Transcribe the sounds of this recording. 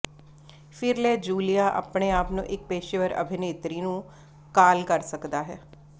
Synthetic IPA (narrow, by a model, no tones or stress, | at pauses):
fʰɪɾlɛːd͡ʒuːlijaːʔa̰ːpɳeːaːpnṵ̃ːʔɪk̚peːʃeʋəɾə̰bʱɪneːt̪ɾiːnũː | kaːlkəɾsəkd̪aːɦɛː